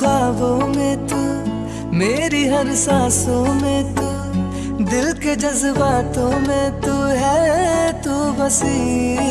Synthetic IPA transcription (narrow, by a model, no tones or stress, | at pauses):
aːʋõːmẽt̪u | meːɾiɦɐɾsaːsõːmẽt̪u | d̪ɪlked͡ʒɐzbaːt̪õːmẽt̪uɦɛt̪uʋɐsiː